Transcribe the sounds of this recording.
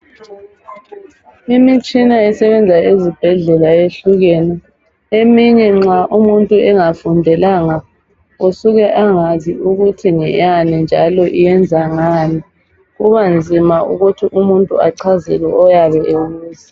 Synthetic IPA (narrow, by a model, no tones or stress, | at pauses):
imit͡ʃʼinaɛsɛβɛnd͡zʱaezib̥ʱɛɮɛlaeɬuɣɛnɛ | emiɲɛŋ͡ǁaʔumuntʼuɛŋafundʱɛlaŋa | usuɣɛʔaŋaziʔuɣutʰiŋɛ̰janind͡ʒʱa̰lɔʔijɛnd͡zʱaŋaːni | ɣuβand͡zʱimaṵɣutʰiʔumuntʼuaǀʰazɛ̰lwɛʔɔjaβɛʔeɣuːzi